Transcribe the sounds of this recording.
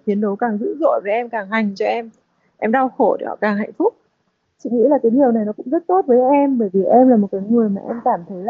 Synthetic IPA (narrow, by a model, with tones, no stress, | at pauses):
t̪ʰi˨˦ənɗə˨˦wkaː˨˩ŋzɨ̰˧˥zo̰˧˨jveː˨˦ʔɛ˧mkaː˨˩ŋɦa˨˩jŋ̟t͡ɕɔ˧ʔɛ˧m | ʔɛ˧mɗa˧wxo˧˩ɗḛ˧˩hɔ̰˧˩kaː˨˩ŋɦa̰˧˨ŋ̟fʊ˦˥k͡p̚ | t͡ɕḭ˧˨ŋḭ˧˥laː˨˩k̪iː˨˦nhi˨˩əwna˨˩jnɔ˨˦kʊ̰˧˥ŋ͡mzə˦˥t̚t̪o˦˥t̚vəː˨˦jʔɛ˧mɓəː˧˩jvi˨˩ʔɛ˧mlaː˨˩mo˨˩t̚kaː˨˦jŋɨ˨˩əjmaː˨˩ʔɛ˧mkaː˧˩mt̪ʰə˨˦jla˧˨